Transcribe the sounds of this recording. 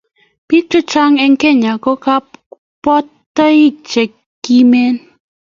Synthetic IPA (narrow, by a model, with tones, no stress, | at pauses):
pi˦k̚tʊ˦t͡ʃa˦ŋɛ˦ŋkɛ˦˨ɲa˨kɔ˦ka˦p | pːɔ˦tː | a˦i˦t͡ʃɛ˨kː | i˦me˦n